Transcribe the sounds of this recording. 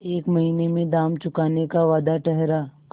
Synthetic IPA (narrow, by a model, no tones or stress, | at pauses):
eːkmɐɦiːnemẽd̪aːmt͡ʃʊkaːnekaʋaːd̪aʈɛɦɾak